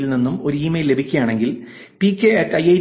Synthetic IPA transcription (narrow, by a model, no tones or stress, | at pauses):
ilninːumo̞ɾuiːmejlle̞bʱikʲːujaːɳe̞ŋɡil | pikʲːeetːɐjɐj